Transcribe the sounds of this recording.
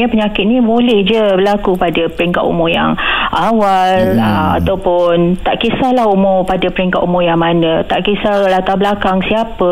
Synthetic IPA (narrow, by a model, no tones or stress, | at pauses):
ɲəpəɲakɪt̪̚nĩbolɛhd͡ʒəbəlakupadapəɾiŋka̰t̪ṵmʊŋja̰ŋawaləma̰t̪awpʊnt̪aʔkisahlahumʊpadapəɾiŋkat̪umʊjaŋmanə̃t̪aʔkisalat̪abəlakaŋsiapə